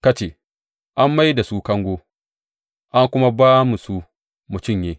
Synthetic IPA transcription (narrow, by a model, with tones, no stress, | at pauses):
ka˦t͡ʃe˨ | ʔa˦mːa˦jda˨su˦kɐ˦ŋɡʷo˦ | ʔa˦ŋkʷʊ˦ma˦baː˦mu˨su˦ | mu˨tʊ˦˨ɲjeː˦